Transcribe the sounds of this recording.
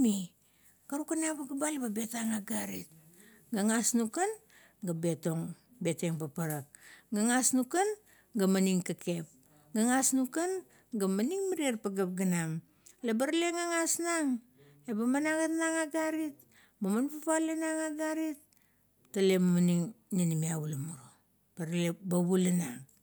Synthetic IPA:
mi | kaɾukanabaɡabalebabe̞taŋaɡaɾḭt̚ | ɡaŋasnukan | ɡabe̞to̞ŋ | be̞te̞ŋpapaɾak̚ɡaŋasnukan | ɡamaniŋkake̞p̚ | ɡaŋasnukan | ɡamaniŋmaɾierpaɡap̚ɡanam | lebaɾle̞ŋaŋasnaŋ | ebamanaɡatnaŋaɡaɾit̚ | mamanpapalenaŋaɡaɾit̚ː | ale̞mamaniŋninimiaβulamuɾo | b̥aɾlebaβulenaŋ

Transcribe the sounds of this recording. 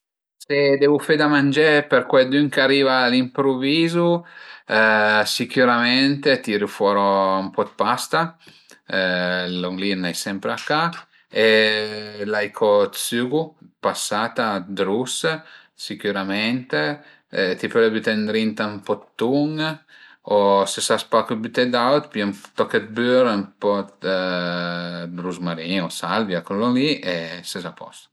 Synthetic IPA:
sed̪ɛːvufed̪amand͡ʒepeɾkwed̪yŋkaɾiːvalimpɾuviːzu | sikuɾamɛnt̪et̪iɾufɔːɾɔumpɔd̪past̪a | loŋɡlinajsɛmpɾeakːa | e | lajkʰɔt̪syːɡupasat̪ad̪ɾus | sikyɾamɛnt̪e | t̪ipøɾɛbyt̪ɛnd̪ɾint̪ampɔt̪ːuŋ | osesaspakubyt̪ɛd̪awt̪pimt̪ːɔkːet̪̚byɾmpɔt̪ | d̪ɾuzmaɾiosalvjakɔlɔŋliʔesezapɔ̰st̪ḁ

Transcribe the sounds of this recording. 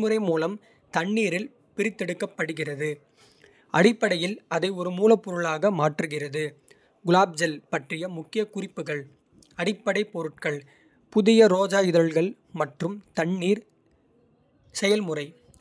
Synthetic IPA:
mɯɾɐɪmuːlɐm | t̪ɐɳːiːɾɪl | pɪɾɪt̪ːɛɽɯkːɐpːɐɽɯɣɪrɐðɯ | ʔɐɽɪpːɐɽɐjɪlɐðɐɪɔɾɯmuːlɐpːɔɾɯɭaːɣɐmaːʈrɯɣɪrɐðɯ | ɡʊlaːb̚d͡ʒɐlpɐʈrɪjɐmʊkːɪjɐkʊrɪpːɯɣɐɭ | ɐɽɪpːɐɽɐɪpɔɾɯʈ̚kɐɭ | pʊðɪjɐɾoːd͡ʒaːjɪðɐɭɣɐɭ | mɐʈrɯmt̪ɐɳːiːɾ | sɛjɐlmɯrɐɪ

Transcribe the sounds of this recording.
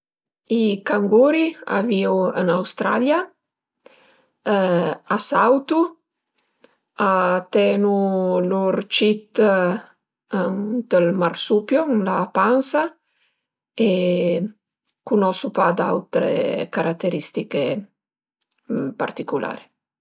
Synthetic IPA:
ikaŋɡuɾia̰viwə̰nawst̪ɾa̰lja | asawt̪u | at̪ɛnuluɾt͡ʃit̪ | ənd̪̥əlmarsupjonlapansa | e | kunɔsupad̪a̰wt̪ɾḛkaɾat̪ːeɾist̪ike | pa̰ɾt̪ikulʔa̰ɾi

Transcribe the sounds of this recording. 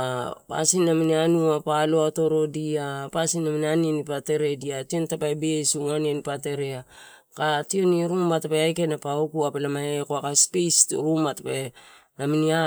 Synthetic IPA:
apa̰sinːaminianuapaloato̞ɾo̞diapasinːaminanienipate̞ɾe̞diationtapajbeesuŋanienipate̞ɾea | kationiɾumbatapeajkenapaokuapelamaekoakaspejstṵɾumatḁpe | naminia

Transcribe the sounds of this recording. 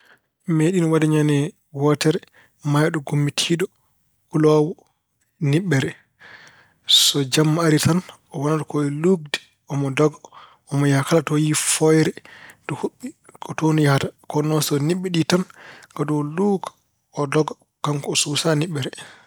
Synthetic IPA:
meɗinɔwadɛɲanɛ | wɔtɛɾɛ | majɗɔɡomːitʰiːɗɔ | kulɔwɔ | niɓːɛɾɛ | sɔd͡ʒamːaaɾitan | ɔwanatɔkɔɛluɡ̚dɛ̥ | ɔmɔdɔɡa | ɔmɔjahakalatɔjifɔjɾɛdɔhuɓːikʰɔtonijahatakɔnːɔsɔniɓːɛɗitanɡ̥adɔluːkḁ | ɔdɔɡa | kamkɔːsusaniɓːɛɾɛ

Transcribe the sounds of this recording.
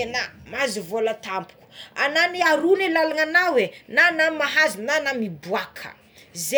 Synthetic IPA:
enamazivolət̪ampu̥ku̥ananiaɾunelalaŋanawenanamaɦazinanamibuakʰə̰ | ze

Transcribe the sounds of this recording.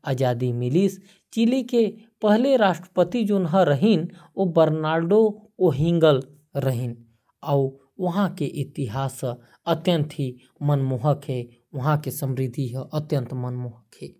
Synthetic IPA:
aːd͡ʒad̪imilis | t͡ʃilike | pəɦleɾaʃʈɾə̥pət̪id͡ʒonɦəɾəɦinobəɾnaːɾɖooɦĩŋɡəl | ɾəɦin | au | ʋəɦãkeʔit̪iɦaːs | ət̪jənt̪ʰi | mənmuɦəkɦe | ʋəɦãkesəmɾid̪ʱiɦəʔət̪jə̃nt̪mənmuɦəkɦeː

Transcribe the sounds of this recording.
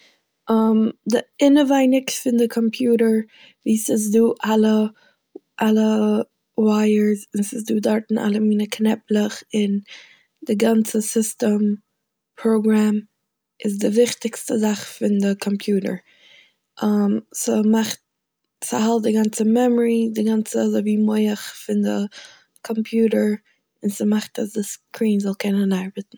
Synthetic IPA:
ʔamdɪɪnəvaɪnɪkfɪndɪkʰɔmpʰjuːɾəɹ | viːsɪz̬duːʔalˠə | ʔalˠə | waɪəɹzɪnsɪsduːdɔɾtn̩ʔa̰lˠəmiːnəkʰnɛplˠəχɪn | dɪɡant͡səsɪstəm | pʰɾoʊɡɾam | ɪzdɪvɪχtɪkstəzaχfɪndɪkʰɔmpʰjuːɾə̰˞ | ʔamsəmaχt̚ | sahalˠt̚dɪɡant͡səmɛmɔɹidɪɡant͡səzɔviːmoɪəχfɪndɪ | kʰɔmpʰjuːɾəɹ | ɪnsəmaχtasdɪskʰɹiːnzɔlˠkʰɛnənaɪɹbətn̩

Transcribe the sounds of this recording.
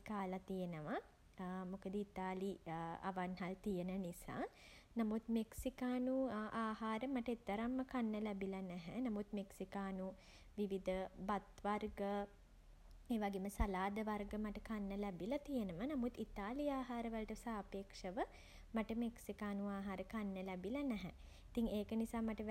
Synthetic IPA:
kaːlɐt̪ijenəʋa | mokəd̪əit̪aːlia̰ʋanɦalt̪ijenənisa̰ː | namut̪meksikaːnuaːhaːɾəmaʈɐet̪ːəɾɐmːəkanːəlɛbilɐnɛɦɛnamut̪meksikaːnu | ʋiʋid̪ʱəbat̪ʋarɡə | eːʋaɡeməsalaːd̪əʋarɡəmaʈəkanːəlɛbilɐt̪ijənəmənamut̪it̪aːliaːɦaːɾəʋəlʈəsaːpeːkʂəʋə | maʈəmeksikaːnuaːɦaːɾəkanːəlɛbilɐnɛɦɛ | it̪iŋeːkənisaːmaʈəʋ

